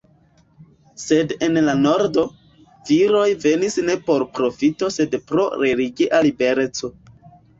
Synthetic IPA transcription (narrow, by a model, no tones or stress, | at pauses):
se̞de̞nlano̞ɾdo̞ | viɾo̞jve̞nisne̞po̞ɾpɾo̞fito̞se̞dpɾo̞ɾe̞liɡiʔalibe̞ɾe̞t͡so̞